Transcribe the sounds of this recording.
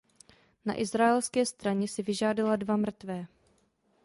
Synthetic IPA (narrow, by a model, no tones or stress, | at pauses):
na̰ʔɪzɾaɛlskɛːst̪ɾaɲɛsɪvɪʒaːdaladvamr̩t̪vɛː